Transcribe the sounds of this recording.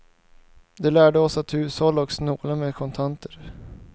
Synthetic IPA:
d̪ɛlæːɖəɔsat̪ʰːʉ̟ːshɔlːaɔksnoːlamekʰɔnt̪ʰant̪ʰəɾ

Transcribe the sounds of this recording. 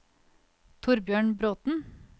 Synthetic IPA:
t̪ʰʊɾbjøːɳbɾoːt̪n̩

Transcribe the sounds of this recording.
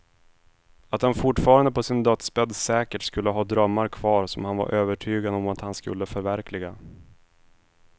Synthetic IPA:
at̪hanfʊʈːfɑːɾand̪əpʰɔsɪnd̪œt̪spɛd̪sɛːkəʈskɵlːəɦɑːd̪ɾœmːaɾkʰvɑːɾsɔmhanva̰ɾʔøːvəʈʰyːɡad̪ɔmat̪hanskɵ̰lːəfœɾvæɾklɪɡa

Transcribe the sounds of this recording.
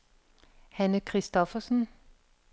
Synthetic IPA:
hænəkʰʁisd̥ɒfɐsn̩

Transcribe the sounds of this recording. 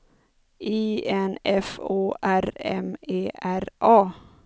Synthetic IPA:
ʔiːɛnɛfoːʔæɾɛ̰meːʔæɾʔɑː

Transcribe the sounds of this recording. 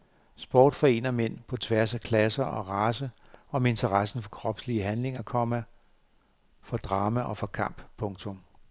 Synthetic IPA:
sb̥ɒ̰ːd̥fɒ̽e̝̰ːnɐmen̰pʰɒ̽t͡sʰʋæɐsækʰlæsɐʔɒ̽ʁɑ̈ːsəʔɒ̽me̝nt͡sʰɐʁɑsn̩fɒ̽kʰʁɒ̽b̥sliəɦænle̝ŋɐkʰɒ̽mæ | fɒ̽d̥ʁɑ̈ːmæʔɒ̽fɒ̽kʰɑ̈m̰b̥pʰɔ̽ŋt͡sʰɔ̽m

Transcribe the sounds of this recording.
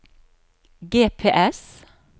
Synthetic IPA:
ɡeːpʰeːʔɛs

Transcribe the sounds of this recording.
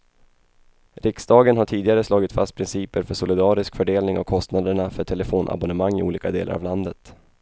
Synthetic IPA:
ɾɪksd̪ɑːɡənɦaʈʰiːd̪ɪɡaɾəslɑːɡɪt̪fast̪̚pʰɾɪnsiːpəɾfœʂʊlɪd̪ɑːɾɪskfœɖeːlnɪŋɔ̰kʰːɔst̪nad̪əɳafœʈʰɛləfoːnʔa̰bɔnəmaŋːɪ̰ṵːliːkad̪eːla̰ɾa̰vland̪ət̪

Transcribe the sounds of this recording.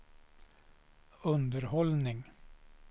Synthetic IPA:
ɵnd̪əɾhɔlnɪŋ

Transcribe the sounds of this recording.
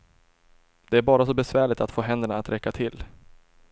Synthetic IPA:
d̪̥ɛæɾbɑːɾasɔbɛsvæːɭɪt̪at̪foːɦɛnd̪əɳaːt̪ɾɛkːat̪ʰɪlː

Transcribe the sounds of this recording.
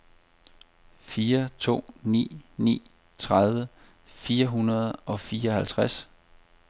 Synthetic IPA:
fiːɐt͡sʰo̝̰ːnḭːnḭː | t͡sʰʁaðˠʋə | fiːɐɦunɐð̞ˠɒ̽fiːɐɒ̽hælt͡sʰʁas

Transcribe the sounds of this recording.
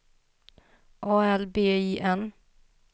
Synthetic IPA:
ʔɑːɛlbeːiːʔɛn

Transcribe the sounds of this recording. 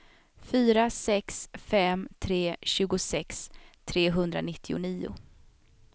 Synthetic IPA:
fyːɾasɛksfɛmt̪ʰɾeːɕʉ̟ːɡʊsɛkst̪ʰɾeːɦɵnd̪ɾa̰nɪt̪ʰːɪʊ̰niːʊ̰

